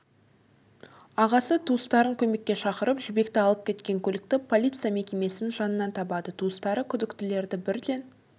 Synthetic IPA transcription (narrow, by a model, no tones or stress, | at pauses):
ɑʁɑsət̪ʰuəst̪ɑɾəŋkʲʰɵme̞kʲːe̞ʃɑqəɾəpʒʏbe̞kt̪ɪɑlˠəp̚kʲʰe̞t̪kʲe̞ŋkʲʰɵlɪkt̪ɪpʰo̞lʲijt̪sɨjame̞kʲe̞me̞sɪnɪnʒɑnənːɑnt̪ʰɑbɑd̪ət̪ʰuəst̪ɑɾəkʲʰʏd̪ɪkt̪ɪle̞ɾd̪ɪbɪɾd̪e̞n